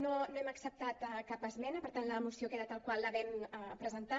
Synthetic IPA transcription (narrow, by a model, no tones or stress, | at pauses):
nonoɛməksəp̚t̪at̪kapəzmɛnəpəɾt̪anləːmusiokeðat̪alˠkwalˠːəβɛməpɾəzənt̪a